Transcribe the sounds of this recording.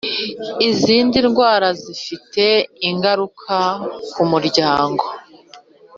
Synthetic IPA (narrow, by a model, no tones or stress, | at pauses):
iziːndinɡwaːɾazifite̞iŋɡaɾukʰakumuɾɟaːŋɡo̞